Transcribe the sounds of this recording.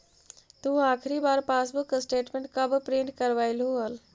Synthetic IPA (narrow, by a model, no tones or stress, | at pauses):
t̪uaːkʰɾibaːɾpaːsbuksʈeːʈmẽɳʈ̚kəbpɾeːɳɖkəɾʋaːɪlɦuəl